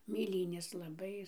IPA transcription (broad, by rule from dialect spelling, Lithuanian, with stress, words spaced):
mʲeːˈlʲiːnʲeːs lˠɐˈbɐɪ